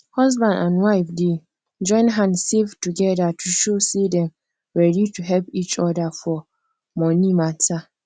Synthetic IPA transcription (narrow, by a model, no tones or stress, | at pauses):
hɔzbãndãnwaɪfde | d͡ʒɔ̃ɪ̃nɦãnsevtuɡɛdatʰuʃosedɛ̃m | ɹɛdituɦɛlpit͡ʃɔdafɔ | mɔnimatʰa